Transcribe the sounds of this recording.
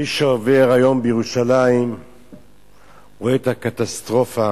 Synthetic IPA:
miʃeove̞ʁajo̞mbjeʁuʃalaim | ʁoet̪hakat̪ast̪ʁo̞fa

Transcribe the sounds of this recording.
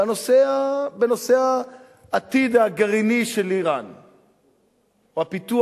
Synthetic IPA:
anoseabeno̞seaː | t̪id̪aɡaʁiniʃeliʁan | oapit̪u

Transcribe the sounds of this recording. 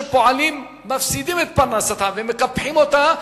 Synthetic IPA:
paliːmː | ɐfsiːd̪imet̪̚pɐnasɐt̪ʰaʋẽmẽkɐpʰẽmɦoːt̪ã

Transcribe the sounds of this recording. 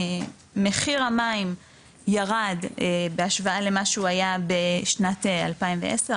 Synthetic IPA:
meχiʁamaim | jaʁad̪ebeaʃvaale̞maʃuajabeʃnat̪ealpaimveʔese

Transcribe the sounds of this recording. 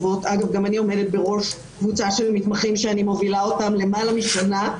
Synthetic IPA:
vo̞tʔaɡavɡamanio̞me̞det̚be̞ʁo̞ʃ | kvut͡saʃelmitmaχimʃeanimo̞vilao̞tamle̞malamiʃona

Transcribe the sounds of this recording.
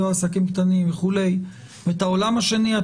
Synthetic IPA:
aːsakimkt̪animveχule̞j | veet̪ao̞lamhaʃe̞nia

